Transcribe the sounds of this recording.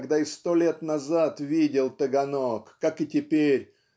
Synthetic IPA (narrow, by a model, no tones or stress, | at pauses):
ɡd̪aɪst̪olʲet̪nɐzat̪vʲidʲɪlˠt̪əɡɐnokːakɨtʲɪpʲeɾʲ